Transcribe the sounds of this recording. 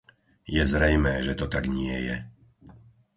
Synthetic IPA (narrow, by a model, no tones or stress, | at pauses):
jɛzɾɛjmɛːʒɛt̪ɔt̪aɡɲɪɛ̰jɛ̰